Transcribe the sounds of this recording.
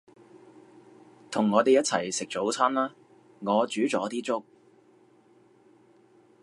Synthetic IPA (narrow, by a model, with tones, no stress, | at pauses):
t̪ʰʊ˨˩ŋːɔː˨˧t̪e˨jɐ˥t̚t͡sʰɐ̰˨˩jsɪ˨k̚t͡so˨˥wt͡sʰɐ˥nlaː˥ | ŋɔː˨˧t͡syː˨˥t͡sɔː˨˥t̪iː˥t͡sʊ˥k̚